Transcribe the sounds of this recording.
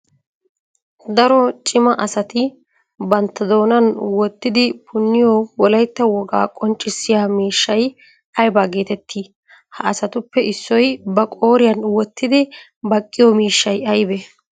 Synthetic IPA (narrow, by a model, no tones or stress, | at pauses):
d̪ɐɾɔt͡ʃʼɪmɐʔɐsɐt̪ɪ | bɐnt̪ːɐd̪o̞ːnɐnwɔt̪ːɪd̪ɪpʰʊnːɪjɔwɔlɐjt̪ːɐwɔɡa̰ːkʼɔnt͡ʃʼːɪsːɪjaːmiːʃːɐj | ɐjbaɡe̞ːt̪ɛt̪ːi | hɐɐsɐt̪ʊpːɛʔɪsːɔjbɐkʼo̞ːɾɪjɐnwɔt̪ːɪd̪ɪ | bɐkʼːɪjɔmiːʃːɐjɐjbɛ